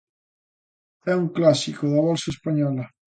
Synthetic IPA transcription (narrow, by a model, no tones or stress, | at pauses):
ɛuŋklasikoðaβɔlsɐespaɲɔlɐ